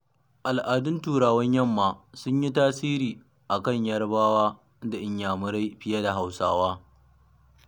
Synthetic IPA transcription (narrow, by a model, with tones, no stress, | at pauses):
ʔa˨lʔaː˨dʊ˦ntuː˨ɾaː˨wɐ˦ɲjɐ˦˨mːaː˨sʊ˦ɲji˦taː˦siː˦ɾiː˨ | ʔa˨kɐ˦˨ɲjɐ˦rbaː˦waː˦ | da˨ʔɪ˦ɲjaː˨mʊ˦ɾa˦jɸɪ˦ja˦da˨ɦa˨wsaː˦waː˦